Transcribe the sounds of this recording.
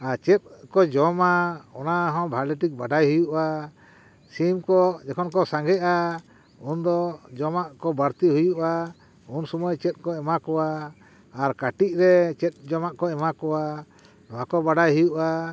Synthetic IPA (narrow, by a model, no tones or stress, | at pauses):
aɾt͡ʃɛt̪̚kɔd͡ʒɔmaɔnaɦɔ̃bʱalɛʈik̚baɖajɦujuʔa | simkɔd͡ʒɛkʰɔnkɔsãŋɡɛʔa | und̪ɔd͡ʒɔmaʔkɔbaɾt̪iɦujuʔa | unsɔmɔjt͡ʃɛt̪̚ˀkɔɛmakɔwaː | ɾkaʈic̚ɾɛt͡ʃɛt̪̚ˀd͡ʒɔmaʔkɔɛmakɔwa | ɔwakɔbaɖajɦujuʔa